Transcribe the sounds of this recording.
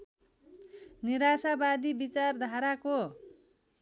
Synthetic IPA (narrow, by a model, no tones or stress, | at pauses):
niɾasabad̪ibit͡sard̪ʱaɾako